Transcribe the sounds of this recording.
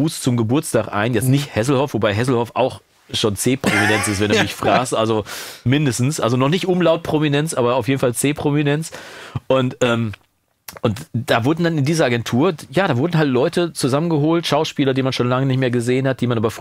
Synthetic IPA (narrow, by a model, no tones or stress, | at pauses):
uːst͡sʊmɡəbʊɐt͡staːkʔa̰ɪnjɛt͡stnɪçthɛs̬l̩hɔfv̥obaɪɦɛs̬l̩hɔfʔaʊx | ʃoːnt͡seːpʁ̥ominɛnt͡sɪstv̥ɛnduumɪçfʁ̥aːkstʔalzomɪndəstn̩sʔalzonɔχnɪçtʔʊmlaʊt̚pʁ̥ominɛnt͡sʔaːbɐaʊfjeːdn̩falt͡seːpʁ̥ominɛnt͡sʔʊntʔɛːm | ʔʊntd̥aːvʊɐdn̩danɪndiːzɐaɡɛntʰuːɐjaːdaːvʊɐdn̩ɦaltlɔʏtʰət͡suzamənɡəɦoːltʃaʊʃpiːlɐdiːmanʃoːnlaŋənɪçtmeːɐɡəzeːənhat̚d̥iːmanʔaːbɐf